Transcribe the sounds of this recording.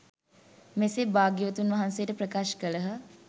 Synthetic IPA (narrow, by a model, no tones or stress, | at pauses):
mesebaːɡjəʋət̪unʋɐɦansejəʈəpɾəkaːʃkələɦə